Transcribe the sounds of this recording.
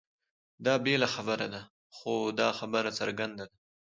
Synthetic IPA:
d̪ɑbelaxabəɾad̪a | xod̪ɑxabəɾat͡sa̰ɾɡand̪ad̪a

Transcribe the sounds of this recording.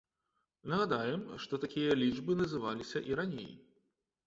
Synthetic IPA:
nɐɣad̪ajɛmʂt̪ɔt̪akʲijɐlʲiʐbɨnɐzɨvalʲisʲɐʔiɾanʲḛj

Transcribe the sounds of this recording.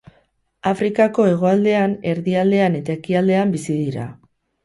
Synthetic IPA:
afɾikako̞e̞ɣ̞o̞ald̪e̞ane̞ɾðiald̪e̞ane̞t̪ae̞kiald̪e̞ambisiðiɾa̰

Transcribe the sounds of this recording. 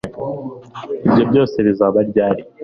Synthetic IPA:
ibjo̞bjo̞ːse̞βizaβaɾɟaːɾi

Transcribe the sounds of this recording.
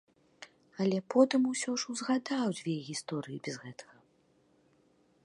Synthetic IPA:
ɐlʲɛpɔt̪ɨmusʲɔʂuwzɣad̪awd͡zʲvʲejɣʲist̪ɔɾɨjibʲɛzɣɛt̪ɐ̥ɣɐ

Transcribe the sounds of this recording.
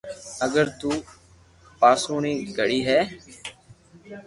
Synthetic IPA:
əɡəɾt̪uː | paːsuːɳiːɡəɽiːɦɛː

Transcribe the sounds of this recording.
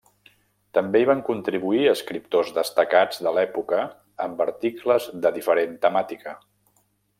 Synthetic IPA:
t̪əmbeiβaŋkunt̪ɾiβuiəːskɾip̚t̪ozðəst̪əkad͡zðəlɛpukə | əmbəɾt̪ikləzðəðifəɾent̪əmat̪ikə

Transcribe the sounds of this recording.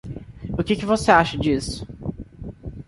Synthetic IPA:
ʊkɪkɪvoseaʃɐd͡ʒisʊ̥

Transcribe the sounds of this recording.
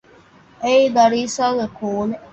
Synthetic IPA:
eid̪ɐɾiːsaːɡekoːle

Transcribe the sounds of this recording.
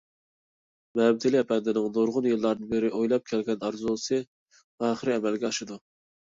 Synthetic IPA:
mɛmt̪ʰɪlɪɛpʰɛnd̪ɪnɪŋnoɾʁʊnjɨlˠːɑɾd̪ɨnbeɾɪʔojlˠɑp̚kʲʰɛlɡʲɛnɑɾzulˠsɨ | ɑːχɨɾɨɛmɛlɡʲɛɑʃɨd̪u

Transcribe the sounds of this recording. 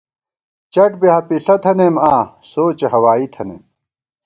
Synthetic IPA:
t͡ɕɐʈbeɦɐpiɬɐt̪ʰɐnemãːsoːt͡ɕeɦɐwaːit̪ʰɐnḛm

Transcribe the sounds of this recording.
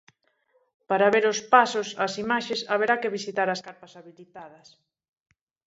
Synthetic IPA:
paɾaβeɾʊspasʊsɐsimaʃesaβeɾakɪβisit̪aɾɐskaɾpasaβilit̪aðɐs

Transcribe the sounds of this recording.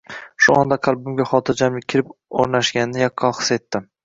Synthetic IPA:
ʃʊɒnd̪aqʰɑlˠbʊmɡʲaχɒt̪ʰɪɾd͡ʒamlɪk̚ʲʰːɪɾɪpo̰ɾnaʃɡʲanɪnɪjɒkʰːɒχɨ̥se̞t̪ːɪ

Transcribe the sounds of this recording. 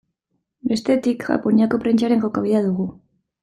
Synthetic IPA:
be̞st̪e̞t̪ikʝa̰po̞niako̞pɾent͡ʃaɾe̞ŋko̞kaβ̞iðaðuɣu

